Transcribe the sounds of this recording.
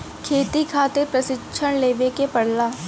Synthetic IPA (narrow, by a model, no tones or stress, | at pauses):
kʰeːt̪ikʰaːt̪epɾəsɪkːʃʰəɽ̃leːʋekepəɽlaː